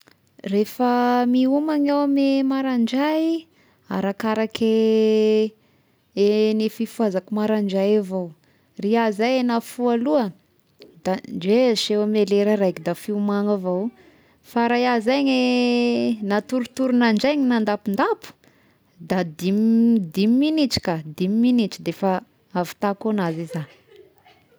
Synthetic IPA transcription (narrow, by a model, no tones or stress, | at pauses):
refəmiumaŋawamemaɾaɳd͡ʒaj | a̰ɾakaɾakʰe | enefifuazakumaɾaɳd͡ʒajavow | riazajenafualuə | d̪and͡ʒeʃewameleɾaɾajkid̪afiumaŋavow | faɾajazaɲe | nat̪uɾut̪uɾunaɳd͡ʒajŋinand̪apind̪apu̥ | d̪ad̪imd̪imiːinit͡ʃi̥kad̪imiminit͡ʃid̪efa | avi̥t̪akonazizan